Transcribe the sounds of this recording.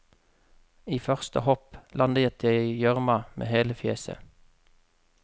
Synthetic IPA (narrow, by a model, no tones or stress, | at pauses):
iːfœʁst̪əhɔplʔɑnd̪əjɛt̪jeɪjœʁmɑmʔḛːheːləfjeːsə̰